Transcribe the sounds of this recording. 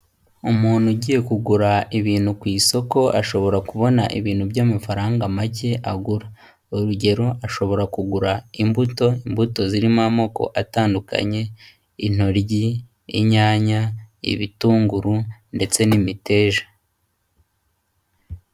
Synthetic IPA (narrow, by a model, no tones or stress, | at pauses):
umuːn̥huɟiːje̞kuɡuɾaiβiːn̥hukwiːso̞ko̞ʔaʃo̞βo̞ɾakuβo̞naʔḭβiːn̥hubjaːmafaɾaːŋɡamaɟe̞ʔaɡuɾa | oɾuɟe̞ɾo̞ʔaʃo̞βo̞ɾakuɡuɾaimbuto̞imbuto̞ziɾimamo̞ko̞̰ʔataːnduka̰ɲe̞ | in̥o̞ɾɟi | ḭɲaːɲaḭβituːŋɡuɾunde̞t͡se̞nimite̞ːʒḁ